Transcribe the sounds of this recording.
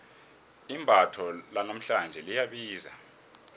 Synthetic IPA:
imbʱatʰɔlanam̩ɬand͡ʒʱɛlijaɓiːza

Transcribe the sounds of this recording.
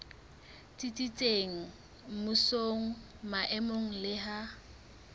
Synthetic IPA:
tʼit͡sʼit͡sʼeŋ̩ | m̩mʊsoŋ̩ | maʔɛmoŋ̩lɪɦa

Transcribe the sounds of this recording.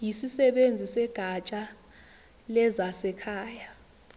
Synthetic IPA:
jisisɛɓend͡zʱisɛɡ̥ʱat͡ʃʼa | lɛzasɛkʰaːja

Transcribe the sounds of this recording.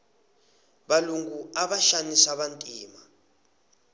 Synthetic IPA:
ɓaluŋɡuaɓaʃanisaɓantʼiːma

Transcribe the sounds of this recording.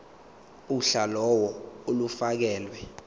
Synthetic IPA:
uɬalɔwɔolufak̬ɛːlwɛ

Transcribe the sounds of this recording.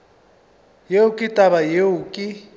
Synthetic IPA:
jeʊkʼɪtʼaβajeʊːkʼɪ

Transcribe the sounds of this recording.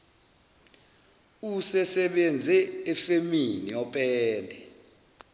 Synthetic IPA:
usɛsɛɓend͡zʱɛːfeminiɔpʼɛːlɛ

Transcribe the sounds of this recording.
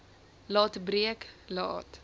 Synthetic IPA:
lɑːtbriəklɑ̰ːt

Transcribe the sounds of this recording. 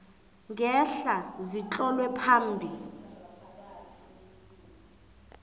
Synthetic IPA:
ŋɡɛɬazit͡ɬʼɔlwɛpʰaːm̩bʱi

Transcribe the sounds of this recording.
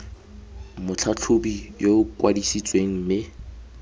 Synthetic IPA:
mʊt͡ɬʰat͡ɬʰʊbijokwadisit͡sʼweŋ̩mɪ

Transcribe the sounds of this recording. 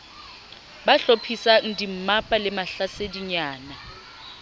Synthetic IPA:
baɬopʰisan̩dim̩mapʼalɪmaɬasediɲaːna

